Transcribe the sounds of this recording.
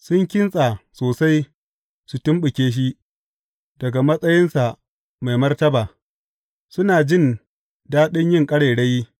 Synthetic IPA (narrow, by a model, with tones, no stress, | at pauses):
sʊ˦ŋkʲɪ˦nsʼa˨soː˨sa˦j | su˨tʊ˦mɓʊ˨kʲeː˦ʃ̬i˦ | dɐ˨ɡa˨mɐ˦sʼɐ˦jɪ˦nsa˨ | ma˨jmɐ˦rtɐ˦baː˨ | sʊ˦naː˨d͡ʒɪ˦˨n | daː˦ɗɪ˦ɲjɪ˦˨ŋkʼɐ˦ɽeː˨ɽe˦jːi˦